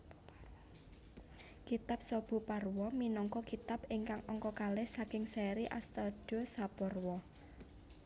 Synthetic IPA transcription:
kit̪ap̚sɔb̥ṳparwɔminɔŋkɔkit̪apɪŋkaŋɔŋkɔkalɪhsakɪŋsɛɾiʔa̰st̪ɔd̥osapɔrwɔ

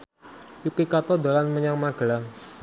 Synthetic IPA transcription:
jukikat̪ɔd̪alanməɲaŋmaɡ̥əlaŋ

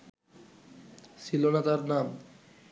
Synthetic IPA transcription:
silonat̪aɾnam

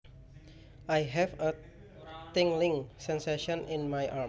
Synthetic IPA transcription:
ʔajɦɛfə | t̪ɪ̃ŋlɪ̃ŋsɛnseʃɔ̃ninmajʔa

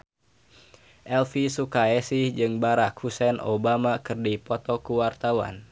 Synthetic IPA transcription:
ʔɛlfisukaɛsid͡ʒɨŋbaɾakhusɛno̰bamakɨrdipɔt̪ɔkuwart̪awa̰n

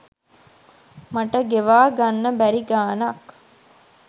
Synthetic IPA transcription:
mɐʈəɡeʋaːɡanːəbæɾiɡaːnɐk

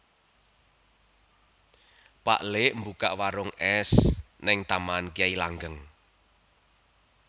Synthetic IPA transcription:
pa̰ʔleʔmbukaʔwaɾʊŋɛs | nɪŋt̪amankiailaŋɡəŋ

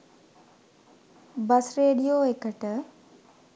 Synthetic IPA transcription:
bɐsɾeːɗijoːɦekəʈə

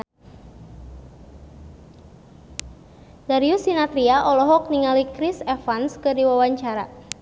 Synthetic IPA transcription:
daɾiusinat̪ɾiaʔɔlɔɦɔk̚niŋalikɾisɛfanskɨrdiwawaɲt͡ʃaɾa̰

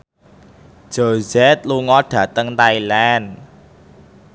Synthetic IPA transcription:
ʒ̥ozɛt̪̚luŋɔɖ̥ä̤t̪əŋt̪ailan

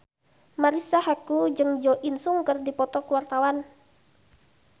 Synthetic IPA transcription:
maɾisahakud͡ʒɨŋd͡ʒɔʔinsuŋkərdipɔt̪ɔkuwart̪awan

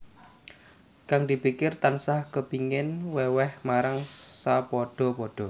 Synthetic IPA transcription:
kaŋd̪i̤pikɪrt̪ansahkəpiŋɪnwɛwɛhmaɾaŋsapɔɖ̥ɔ̤pɔɖ̥ɔ̤

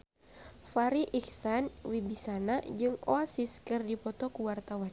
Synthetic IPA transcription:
faɾiʔiksanwibisanad͡ʒɨŋo̰asiskɨrdipɔt̪ɔkuwart̪awan

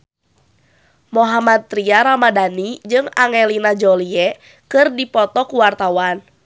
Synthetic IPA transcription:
moɦamat̪̚ːɾiaɾamadanid͡ʒɨŋaŋɛlinad͡ʒɔliɛ | kɨrdipɔt̪ɔkuwart̪awan

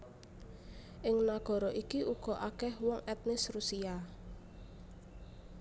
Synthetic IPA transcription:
ʔɪŋnaɡ̥ɔ̤ɾɔʔikiʔuɡ̥ɔ̤ʔakɛhwɔŋʔɛt̪̚nɪsrusia

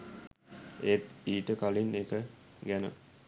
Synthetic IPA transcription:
et̪iːʈəkalinekə | ɡænə̰

